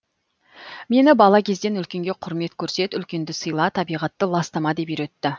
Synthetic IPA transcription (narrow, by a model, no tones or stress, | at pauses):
me̞nɪbɑlˠɑkʲʰe̞z̪d̪e̞nʏlkʲe̞ŋɡʲe̞qʰʊɾme̞t̪kʲʰɵɾse̞t̪ʏlkʲe̞nd̪ɪsəjlˠɑt̪ʰɑbijʁɑt̪ːəlˠɑst̪ɑmɑd̪e̞piɾet̪ːɪ